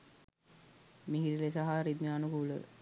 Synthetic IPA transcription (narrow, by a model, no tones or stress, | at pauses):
miɦiɾilesaɦaɾid̪mianukuulə̰